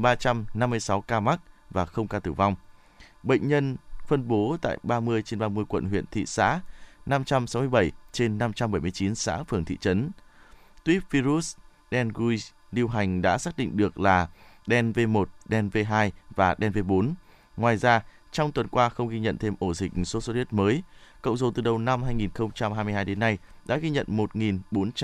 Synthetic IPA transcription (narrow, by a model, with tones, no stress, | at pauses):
ɓaː˧t͡ɕa˧mna˧mːɨ˧əjsa˨˦wkaː˧ma˦˥k̚vaː˨˩xə˧wŋ͡mkaː˧t̪ɨ˧˩va˧wŋ͡m | ɓə̰˧˨ŋ̟ɲə˧nfə˧nɓo˨˦t̪a̰ː˧˨jɓaː˧mɨ˧əjt͡ɕe˧nɓaː˧mɨ˧əjkwə̰˧˨nɦwḭ˧˨ənt̪ʰḭ˧˨sa̰ː˧˥na˧mt͡ɕa˧msa˨˦wmɨ˧əjɓə˧˩jt͡ɕe˧nːa˧mt͡ɕa˧mɓə˧˩jm˧ət͡ɕi˨˦nsa̰ː˧˥fɨ˨˩əŋt̪ʰḭ˧˨t͡ɕə˨˦n | t̪wi˦˥p̚vi˧zu˦˥s | ɗɛ˧nɣu˧j | ɗi˧əwɦa˨˩jŋ̟ɗa̰ː˧˥saː˦˥k̚ɗḭ˧˨ŋ̟ɗɨ˨˩ək̚laː˨˩ɗɛ˧nve˧mo˨˩t̚ɗɛ˧nve˧ɦaː˧jvaː˨˩ɗɛ˧nve˧ɓo˨˦n | ŋwaː˨˩jzaː˧ | t͡ɕɔ˧wŋ͡mt̪wə˨˩nkwaː˧xə˧wŋ͡mɣi˧ɲə̰˧˨nt̪ʰe˧mʔo˧˩zï˨˩k̟̚so˨˦so˧ti˦˥ət̚məː˨˦jkə̰˧˨wŋ͡mzo̰˨˩t̪ɨ˨˩ɗə˨˩wna˧mɦaː˧jŋi˨˩nxə˧wŋ͡mt͡ɕa˧mɦaː˧mɨ˧jɦaː˧jɗe˨˦nːa˧jɗa̰ː˧˥ɣi˧ɲə̰˧˨nmo˨˩t̚ŋi˨˩nɓo˨˦nt͡ɕ